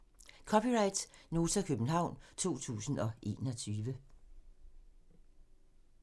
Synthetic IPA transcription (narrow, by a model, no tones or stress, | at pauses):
kʰɒ̽piʁɑ̈ɪd̥sno̝ːt͡sʰɐkʰøb̥n̩ɦɑ̈ʊ̰nt͡sʰo̝̰ːt͡sʰṵːsn̩ɒ̽ʔe̝̰ːnɒt͡sʰyːʋə